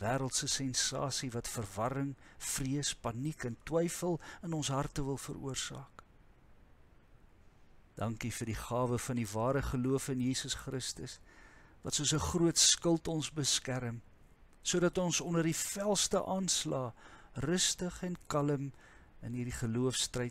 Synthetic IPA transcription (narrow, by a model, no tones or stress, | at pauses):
væːɾəlˠtsəsɛnsɑ̰ːsivɐtfərvɐɾəŋfriəspɐnikɛntwɛjfəlˠənɔnsɦɐrtəvəlˠfə̰ɾṵərsɑ̰ːk | d̥ɐŋkifərdiχɑːvəfɐndivɑːɾəχəluəfənjiːsəsχrəstəsvɐ̰tsuəsəχruətskəlˠtɔnsbəskæɾəm | suədɐtɔnsɔndərdifælˠstəʔɑːnslɑːrəstəχɛnkɐləmənɦirdiχəluəfstrəjt